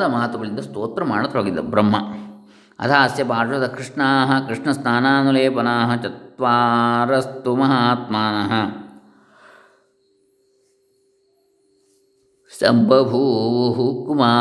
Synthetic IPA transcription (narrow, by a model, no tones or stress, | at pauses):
d̪ɐmaːt̪ɐʋɐɭind̪ɐst̪oːt̪ɾɐmaːɽɐt̪ɐɦoːɡid̪ɐ̰bɾɐmːɐ | ɐ̰t̪ʰaːsjɐpaːɐd̪ɐkɾiʂɳaːɦɐ̆kɾiʂɳɐsnʰaːnaːnuleːpɐnaːɦɐt͡ʃɐt̪ʋaːɾɐst̪umɐɦaːt̪maːnɐɦɐ | sɐ̰mbʱɐbʱuːʋuɦukumaː